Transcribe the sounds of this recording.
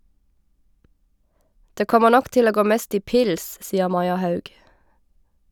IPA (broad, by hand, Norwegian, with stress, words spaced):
ˈdeː ˈkɔmə ˈnɔk ˈʔtɪl ˈoː ˈɡoː ˈmeːst ˈiː ˈpɪls ˈsiːəʁ ˈmɑɪɑ ˈhɑʉɡ